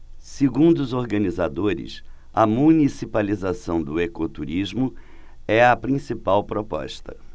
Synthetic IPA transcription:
seɡũnd̪ʊʊzoɾɡɐ̃nizad̪oɾɪ̰s | ɐmunisipalizasɐ̃w̃d̪ʊekot̪uɾizmʊ | ɛɐpɾĩsipawpɾopɔ̰ʃt̪ɐ̰

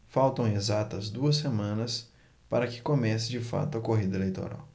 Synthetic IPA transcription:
fawt̪ɐ̃w̃ezat̪ɐzd̪uɐs̬ːemɐ̃nɐs | paɾɐkɪ̥komɛsɪd͡ʒɪfa̰t̪ʊɐkoɦid̪ɐelejt̪o̰ɾa̰w

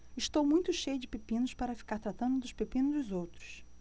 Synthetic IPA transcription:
ɪʃt̪owmũj̃t̪ʊʃejʊd͡ʒɪpepĩnʊspaɾɐfi̥kaɾt̪ɾat̪ɐ̃nd̪ʊd̪ʊʃpepĩnʊzd̪ʊzowt̪ɾʊ̥s

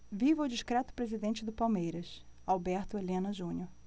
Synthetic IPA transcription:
vivwd͡ʒiʃkɾɛt̪ʊ̥pɾezid̪ẽnt͡ʃɪd̪ʊpawmejɾɐsawbɛɾt̪ʊelẽnɐʒũɲoɾ

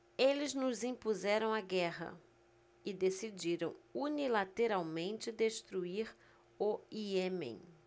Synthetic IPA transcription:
elɪznʊzĩpuzɛɾɐ̃w̃aɡɛɦɐ̰ | ɪd̪esid͡ʒiɾɐ̰̃w̃unilat̪eɾawmẽnt͡ʃɪd̪est̪ɾuiɾ | oiemḛ̃j̃

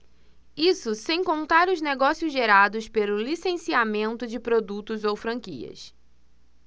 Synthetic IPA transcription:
isʊsẽj̃kõnt̪aɾʊzneɡɔsiʊzʒeɾad̪ʊspelʊlisẽsiamẽnt̪ʊd͡ʒɪpɾod̪ut̪ʊzowfɾɐ̃ŋkḭɐ̰s

